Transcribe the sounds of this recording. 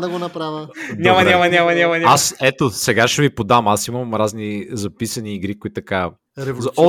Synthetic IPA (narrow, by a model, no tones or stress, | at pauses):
d̪ɐɡonɐpɾavʲənʲamɐnʲamɐnʲamɐnʲamɐnʲaasɛt̪osɛɡaʃɛvipod̪amasimɐmɾaznizɐpisɐniːɡɾikoit̪ːɐka | ɾɛzɔ